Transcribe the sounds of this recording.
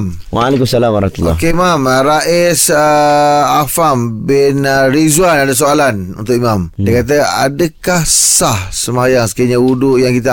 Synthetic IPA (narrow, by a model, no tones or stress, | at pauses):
m | waːlekumsalamaɾmat̪ulːɔ̰keimamɾaʔisəafambɪnɾizuanadas̬oalanṵnt̪ʊʔimãmdiəkat̪̬əa̰dəkahsahsəmajaŋsə̥kiɲauduʔjaŋkit̪a